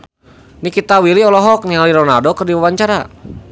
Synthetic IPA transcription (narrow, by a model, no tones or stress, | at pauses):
nikit̪awiliɔlɔɦɔk̚nialiɾɔna̰rdɔkərdiwawaɲt͡ʃaɾa